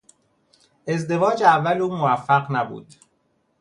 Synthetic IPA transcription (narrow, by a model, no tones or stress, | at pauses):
ʔe̞zd̪e̞vɒːd͡ʒævːæluːmovæfːæɢnæbṵːd̪̥